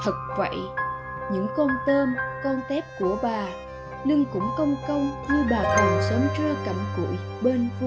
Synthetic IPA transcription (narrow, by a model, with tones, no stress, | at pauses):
t̪ʰə˨˩t̚və̰˧˨j | ɲɨ̰˧˥ŋkɔ˧nt̪əː˧mkɔ˧nt̪ɛ˦˥p̚ku˧˩əɓaː˨˩ | lɨ˧ŋkʊ̰˧˥ŋ͡mkə˧wŋ͡mkə˧wŋ͡mɲɨ˧ɓaː˨˩t̪ʰɨ˨˩ŋsə˨˦ŋ͡mt͡ɕwe˧ka˧˩mkṵ˧˩˨j | ɓe˧nv